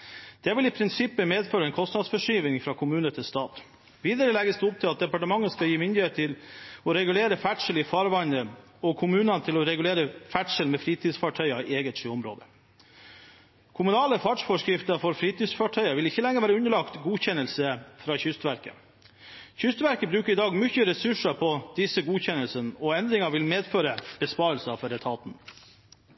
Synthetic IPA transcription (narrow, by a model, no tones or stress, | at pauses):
d̪̥ɛʋɪlɪpʰɾɪnsɪpːəmeːd̪føːɾəɛnkʰɔst̪nɑd̪sfɔʂyːʋɪŋfɾɑːkʰʊmʉːnət̪ʰɪlst̪ɑːt̪ | ʋiːd̪əɾəlɛɡəsd̪ɛʊp̚t̪ʰɪlɑt̪̚d̪ɛpɑʈəmɑŋːəskɑjiːmɪnd̪ɪheːt̪ʰːɪlɔɾɛɡʉleːɾəfæʈʂəlɪfɑːɾʋɑnd̪ə | ɔkʰʊmʉːnɑnt̪ʰɪlɔɾɛɡʉleːɾəfæʈʂəlmɛfɾiːt̪ʰiːsfɑʈʰœʏɑeːɡət̪ʂiʊmɾo̰ːd̪ə | kʰʊmʉnɑːləfɑʈʂfɔʂkɾɪft̪əɾfɔɾfɾiːt̪iːsfɑʈʰœʏɑʋɪlɪçːəlɛŋːəɾʋæːɾəʉnəɭɑkt̪ɡuːçɛnəlsəfɾɑːçʏst̪ʋæɾkə̰ | çʏst̪ʋæɾkəbɾʉːkəɾɪd̪ɑːɡmʏçəɾɛsʉʂɑpʰɔd̪̥ɪsəɡuːçɛnəlsənɔɛnd̪ɾɪŋɑʋɪlmeːd̪føːɾəb̥əspɑːɾəlsfɔɾɛt̪ʰɑːt̪n